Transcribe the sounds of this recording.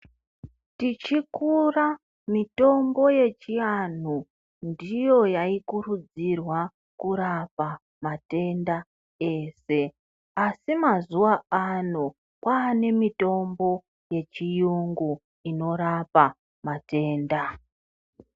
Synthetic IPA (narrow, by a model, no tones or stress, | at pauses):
tit͡ʃikura | mito̞mbo̞je̞t͡ʃian̤u | ndijo̞jaikurud͡zirwa | kuɾapa | mate̞nda | e̞ːse̞ | asimazuwaano̞ | kwaːne̞mito̞mbo̞ | je̞t͡ʃijuŋɡu | ino̞ɾapa | mate̞ːnda